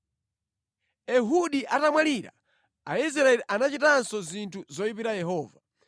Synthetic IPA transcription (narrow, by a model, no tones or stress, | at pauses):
ɛɦuɗiʔatamwaliɾa̰ | ais̬ɾaɛliʔanat͡ʃitansɔzintʰuzɔipiɾajɛɦɔːva